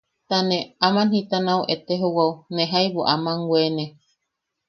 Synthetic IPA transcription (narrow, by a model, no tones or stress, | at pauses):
t̪anẽamãnhĩt̪anãwʔet̪eɦowaunẽɦajβoʔamãŋɡwʷenẽ